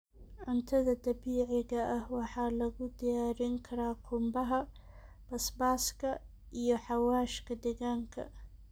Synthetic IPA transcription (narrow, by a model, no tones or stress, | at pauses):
ʕʊnt̪ʰɐðɐd̪ɐbiːʕɪɣɐʔɐhwɑħɑːlɐɣʊd̪ɪjaːɾɪŋkʰɐɾaːkʰʊmbɐɦɐ | b̥ɐsbaːskʰɐ | ʔijɔħɑwaːʃkʰɐd̪ɛɣaːŋkʰɐ̰